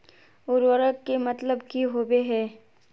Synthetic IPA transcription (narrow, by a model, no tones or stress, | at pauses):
ʊɾwəɾəkkemɐt̪ləbkiɦoːbeɦɛː